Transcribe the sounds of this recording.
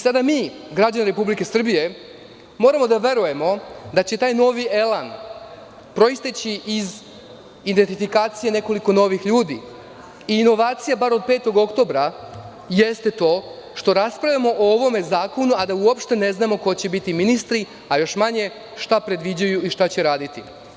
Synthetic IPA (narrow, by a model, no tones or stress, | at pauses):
sad̪amiːɡɾad͡ʑaniɾe̞publike̞sr̩bije̞ | mo̞ːɾamo̞d̪aʋe̞ɾuje̞mo̞d̪at͡ɕe̞t̪aːjno̞ːʋiʔe̞lan | pɾo̞ist̪et͡ɕiiz | id̪ent̪ifikaːt̪sije̞ne̞ko̞liko̞no̞ʋixʎuːd̪ḭː | iːno̞ʋaːt̪sijabaɾo̞d̪̚pe̞ːt̪o̞ɡo̞kt̪o̞ːbɾa | je̞st̪e̞t̪o̞ːʃt̪o̞ɾaspɾavjʲamo̞ʔooʋo̞me̞zaːko̞nuad̪auopʃt̪e̞ne̞znamo̞ko̞t͡ɕe̞bit̪iminist̪ɾi | ajo̞ʃmaɲe̞ | ʃt̪apɾe̞d̪ʋid͡ʑajuiʃt̪at͡ɕeɾaːd̪it̪i